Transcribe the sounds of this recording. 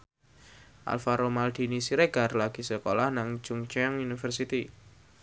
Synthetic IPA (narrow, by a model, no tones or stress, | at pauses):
ʔa̰lfaɾomald̪̥i̤nisiɾeɡ̥aɾlaɡ̥i̤səkolahnaŋd͡ʒ̥ʊŋt͡ʃɛŋunifərsit̪i